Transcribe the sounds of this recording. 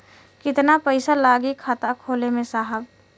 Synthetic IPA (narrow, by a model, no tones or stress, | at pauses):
kɪt̪napəɪsalaːɡikʰaːt̪akʰoːlemẽsaːɦəb